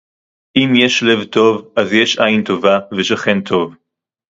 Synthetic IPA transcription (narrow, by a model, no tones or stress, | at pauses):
ʔimjeʃle̞vto̞vʔazjeʃʔajint̪o̞vaveʃaχe̞ntʰo̞v